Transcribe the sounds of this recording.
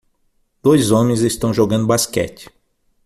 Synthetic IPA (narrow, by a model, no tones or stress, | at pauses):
d̪̥ojzõmẽj̃zest̪ɐ̃w̃ʒoɡɐ̃d̪ʊbaskɛ̰t͡ʃɪ̥